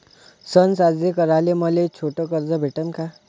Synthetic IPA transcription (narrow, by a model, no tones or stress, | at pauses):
sʌnsad͡zʱekʌɾalemʌlet͡sʰoʈokʌɾd͡zʌbʱeʈʌnka